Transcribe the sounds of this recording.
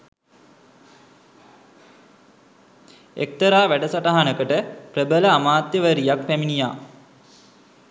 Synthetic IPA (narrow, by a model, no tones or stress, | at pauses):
ḛk̚t̪əɾaːʋæɖəsaʈaɦanəkəʈəprəbələamaːt̪jəʋəɾijakpæminijaː